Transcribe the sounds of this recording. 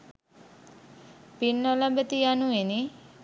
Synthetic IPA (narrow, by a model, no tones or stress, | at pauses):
pinːɔlabət̪ijanueni